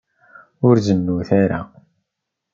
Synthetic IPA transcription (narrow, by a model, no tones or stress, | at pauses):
ʊɾzənːuθaɾa̰